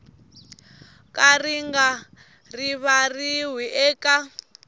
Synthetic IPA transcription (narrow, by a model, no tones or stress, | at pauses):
kʼariŋɡa | riβariɦwiʔɛːka